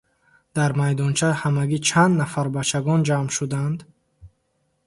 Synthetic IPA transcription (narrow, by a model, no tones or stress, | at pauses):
d̪̥aɾmajd̪ɔnt͡ʃʰahamaɡit͡ʃʰand̪nafaɾbat͡ʃʰaɡɔnd͡ʒamʃud̪and̪